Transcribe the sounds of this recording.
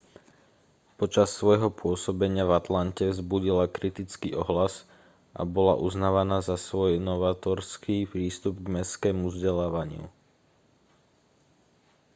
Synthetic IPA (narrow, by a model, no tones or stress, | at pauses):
pɔt͡ʃasːʋɔjɦɔpʊɔsɔbɛɲɪavat̪lancɛvzbuɟilakɾit̪it͡skiːʔɔɦlas | ʔa̰bɔla̰ʔuznaːʋanaːzasʋɔjnɔʋaːt̪ɔɾskiːpɾiːst̪ubɡmɛskɛːmuvzɟɛlaːʋaɲɪṵ